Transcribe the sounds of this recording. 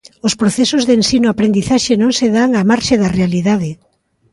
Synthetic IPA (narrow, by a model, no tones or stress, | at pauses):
ospɾoθɛsozðensinoapɾend̪iθaʃenõŋseðaŋamaɾʃeðarealiðaðe